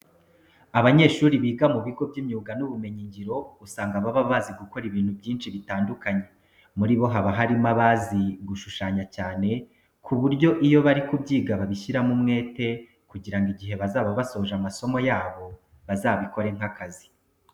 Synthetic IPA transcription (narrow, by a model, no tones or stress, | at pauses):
aβaɲe̞ːʃuːɾiβiːɡamuβiɡo̞bɟimɲuːɡanuβume̞ɲiɲɟiɾo̞usaːŋɡaβaβaβaziɡuko̞ɾiβiːn̥hubjiːnʃiβitaːndukaɲe | muɾiβo̞ɦaβaɦaɾimaβaziɡuʃuʃaːɲacaːne̞ | kʰuβuɾɟo̞ʔijo̞βaɾikubɟiːɡaβaβiʃiɾamumŋe̞ːte̞ | kuɟiɾaŋɡiɟiɦe̞βazaːβaβaso̞ʒamaso̞mo̞jaːβo̞ | βazaːβiko̞ɾe̞ŋ̥hakazi̥